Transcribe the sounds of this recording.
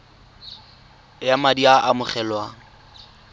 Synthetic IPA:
jamadiaʔamʊχɛlwaŋ̩

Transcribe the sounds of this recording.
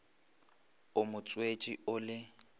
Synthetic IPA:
ʊmʊt͡sʼwet͡ʃʼiʊlɪ

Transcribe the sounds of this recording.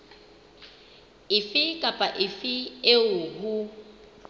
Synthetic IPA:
ɪfɪkʼapʼaʔɪfɪeʊɦu

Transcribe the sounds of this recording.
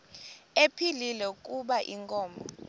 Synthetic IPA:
epʰililɛukʼuɓaʔiŋkʼɔːmbʱɔ

